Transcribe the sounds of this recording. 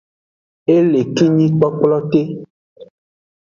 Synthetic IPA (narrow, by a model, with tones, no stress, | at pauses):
e˦le˨ki˦ɲĩ˦k͡pɔ˦k͡plɔ˦t̪e˦